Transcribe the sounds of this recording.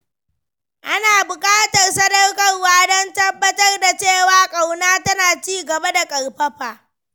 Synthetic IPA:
ʔa˦naː˨bʊ˨kʼaː˦tɐ˨rsɐ˦dɐ˦rkɐ˦rwaː˦dɔ˦ntɐ˦bːɐ˦tɐ˦rda˨t͡ʃeː˦˨waː˨˦kʼa˨wnaː˦tɐ˦naː˨t͡ʃiː˦˨ɡɐ˨ba˦da˨kʼɐ˨ɽɸɐ˦ɸaː˨

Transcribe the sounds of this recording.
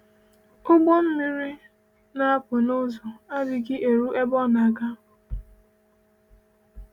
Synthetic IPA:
o˦ɡ͡bo˦m̩˦mi˦ɾi˦ | na˦a˦pʊ˨no˦zo˨a˦bɪ˨ɡɪ˦ʔe˨ɾu˦ʔe˦bɔ˦na˨ɡa˦

